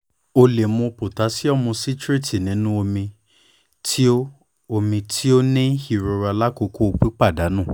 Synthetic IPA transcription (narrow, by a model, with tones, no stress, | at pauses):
o˧le˨mũ˧po˨ta˨˦si˦ɔ˦˨mũ˧si˦tɾe˦˨tʰi˨nĩ˨˦nũ˦o˧mĩ˧ | tʰi˦o˦ | o˧mĩ˧tʰi˦o˦nĩ˦hi˦˨ɾo˧ɾa˧la˦ko˧ko˦o˧k͡pi˦k͡pa˦˨da˨˦nũ˦˨